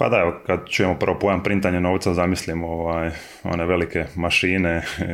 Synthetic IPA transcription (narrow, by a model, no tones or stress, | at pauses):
pa̰d̪aeokad̪t͡ʃuje̞mopərʋopojampɾint̪aɲenoːʋt̪sazamislimoʋaːj | o̞̰neʋe̞like̞maʃiːne